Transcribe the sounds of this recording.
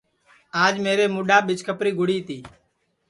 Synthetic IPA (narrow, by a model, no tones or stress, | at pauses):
aːd͡ʒmeːɾeːmʊɗaːɓɪt͡ʃkʰəpɾiːɡʱʊɽiːt̪iː